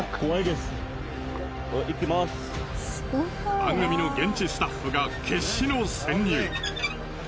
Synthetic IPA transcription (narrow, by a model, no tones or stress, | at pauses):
kʰoaid̪es | oʔikʲːimas | b̥ãŋɡɯ̟mʲino̞ɡẽ̞ɲ̟t͡ɕisɨ̥t̪aɸːɯ̟ɡakʰe̞ɕinosẽ̞ɲːʲɯː